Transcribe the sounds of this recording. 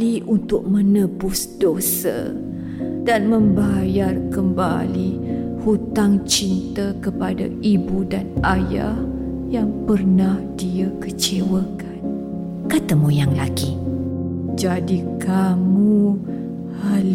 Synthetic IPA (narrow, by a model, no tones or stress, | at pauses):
liʔunt̪ʊk̚mə̃nəbʊsdosə̰ | danmə̃mbajarkəmba̰li | hut̪aŋt͡ʃint̪əkəpada̰ibudanaja̰h | jaŋpərnahdiakət͡ʃewəkan | kat̪əmujaŋlaɡi | d͡ʒadikamu | hal